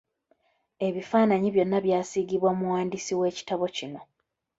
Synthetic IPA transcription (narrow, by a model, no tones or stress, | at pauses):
e̞βifaːnaɲiβjo̞nːaβjaːsiɡiβwamuwaːndisiwe̞ːci̥taβo̞cino̞